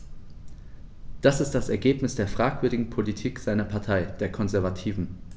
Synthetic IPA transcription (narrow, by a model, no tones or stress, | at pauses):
d̥asɪstd̥asɛɐɡeːpnɪsd̥eːɐfʁ̥aːkv̥ʏɐɾɪɡŋ̩pʰolitʰiːkz̥aɪnɐpʰaɐtʰaɪd̥eːɐkʰɔnzɛɐvatʰiːvn̩